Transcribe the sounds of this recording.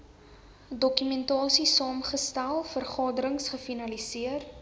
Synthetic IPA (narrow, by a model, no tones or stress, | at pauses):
dɔkymɛntɑːsisɑːmχəstælˠfərχɑːdəɾəŋsχəfinɐlisiər